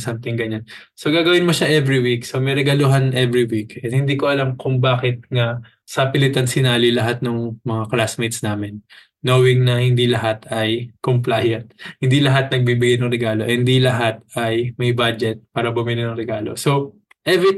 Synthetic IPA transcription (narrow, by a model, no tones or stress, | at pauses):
samt̪ɪŋɡɐɲan | soɡaːɡɐwɪnmoʃaʔɛvɹiwik̚somɐjɾɛɡɐlʊɦanʔɛvɹiwikʔɛnhɪnd̪iːkoʔɐlamkʊŋbaːkɪt̪̚ŋɐ | sɐpɪlɪt̪ɐnsɪnaːlilɐɦat̪̚nʊŋmɐŋaklasmejt̪snaːmɪnː | oːwɪŋnɐhɪnd̪ilɐɦat̪ɐjkomplajɐnt̪̚hɪnd̪ilɐɦat̪̚nɐɡ̚biːbɪɡajnɐŋɾɛɡaːlo̞ʔhɛnd̪ilɐɦat̪̚ɐjmɐjbad͡ʒɛt̪̚paːɾɐbʊmɪnɪnɐŋɾɛɡaːlo̞̰so̞ | ʔɛvɪ